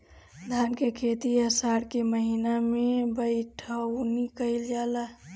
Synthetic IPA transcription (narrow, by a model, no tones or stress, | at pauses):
d̪ʱaːnkekʰeːt̪iəsaːɽkeməɦinamẽbəɪʈʰəwnikəɪld͡ʒaːla